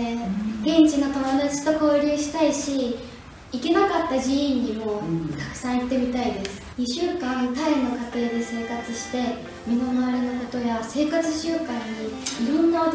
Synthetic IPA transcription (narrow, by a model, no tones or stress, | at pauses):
ɡẽ̞ɲt͡ɕino̞t̪omo̞d̪at͡ɕi̥t̪o̞ko̞ːɾʲɨːɕi̥t̪aiɕi | ike̞nakat̪ːad͡ʑiĩɲːimo̞ːt̪ḁkɯ̥sãɰ̃it̪ːe̞mʲit̪aid̪e̞sɨ̥ɲ̟iɕɨːkãnt̪aino̞kat̪e̞ːd̪e̞se̞ːkat͡sɨɕi̥t̪e̞ | mʲino̞maβaɾʲenoko̞t̪o̞jase̞ːkat͡sɨɕɨːkãɲ̟ːiiɾõ̞nːao